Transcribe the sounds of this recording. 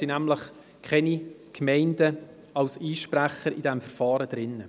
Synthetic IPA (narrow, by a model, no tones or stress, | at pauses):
inæmləχ | kχɛnikʰmɛɪndə | ɑwsiːʃpɾæχəɾidɛmfəɾfɑːɾəd̥ɾɪnːə